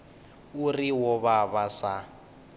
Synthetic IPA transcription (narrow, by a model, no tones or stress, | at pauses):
uriwɔβaβasa